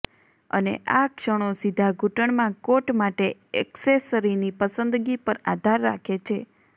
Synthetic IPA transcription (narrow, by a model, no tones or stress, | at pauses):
ə̰nḛʔakʃəɽ̃osid̪ʱaɡʱuʈəɳ̃mãkoʈmaʈeɛksesəɾinipəsənd̪ɡipəɾad̪ʱaɾːa̰kʰet͡ʃʰe